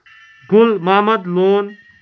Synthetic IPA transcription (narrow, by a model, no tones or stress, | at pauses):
ɡʱulmaːməd̪loːn